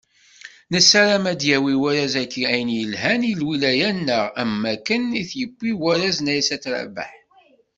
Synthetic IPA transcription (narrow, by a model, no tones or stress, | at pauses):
nəsːaɾamæd̪jæwiwæɾæzækːiæjənjəlhænilwilæjænːəʁæmːækːəniθjəkʷːiwæɾæznæjsæt͡sːɾa̰bə̰ħ